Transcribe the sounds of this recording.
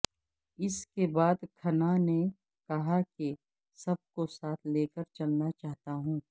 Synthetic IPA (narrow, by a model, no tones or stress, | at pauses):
ɪskebaːd̪kʰɐnane | kɐɦake | sɐb̚kosaːt̪ʰleːkəɾt͡ʃɐlnat͡ʃaːɦt̪aɦũː